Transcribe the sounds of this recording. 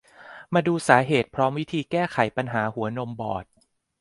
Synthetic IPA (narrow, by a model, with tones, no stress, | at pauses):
maː˧duː˧saː˩˦ɦeː˨˩t̪̚pʰɾɔː˦˥mwi˦˥t̪ʰiː˧kɛː˥˩xʰa˨˩˦jpa˧nɦaː˩˦hu˨˩˦ɐno˧mbɔː˨˩t̪̚